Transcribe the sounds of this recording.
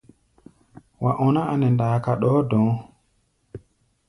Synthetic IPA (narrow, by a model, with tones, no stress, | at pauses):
wa˨ʔɔ˨na˦a˨nɛ˨ndaː˨ka˨ɗɔː˦dɔ̃˨